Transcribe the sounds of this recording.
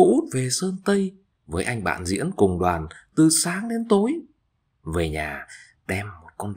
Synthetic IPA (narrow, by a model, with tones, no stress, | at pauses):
ṵ˧˥˦t̚ve˨˩səː˧nt̪ə˧j | vəː˨˦jʔa˧jŋ̟ɓa̰ː˧˨nzḭ˧˥ənkʊ˨˩ŋ͡mɗwaː˨˩nt̪ɨ˨˩saː˨˦ŋɗe˨˦nt̪o˨˦j | veː˨˩ɲaː˨˩ | ɗɛ˧mːo˨˩t̚kɔ˧n